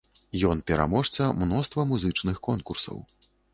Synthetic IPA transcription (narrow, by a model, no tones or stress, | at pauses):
jɔnpʲɛɾa̰mɔʂt͡s̪ʲɐmnɔst̪vɐmuzɨt͡ʂnɨxkɔnkursɐ̰w